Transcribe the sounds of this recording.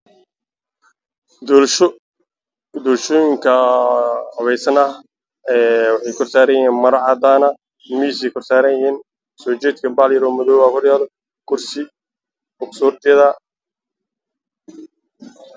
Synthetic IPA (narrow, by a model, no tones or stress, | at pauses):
d̪ɔːlʃɔːjɪŋkʰɐ | hɐβɛjsɐnɐ | ɛːwɑħɑjkʰɔrsaːɾɐjɐhiːnmɐɾɐʕɑd̪aːnɐ | miːs̬ɛjkʰɔrsaːɾɐnjɪhiːn | sɔːt͡ʃɛːd̪kʰɐbaːljɐɾɔːmɔðɔːwaːhɔrjaːlɔ | kʰʊrsɪ | bʊksʊːrt̪ʰɪɐðɐ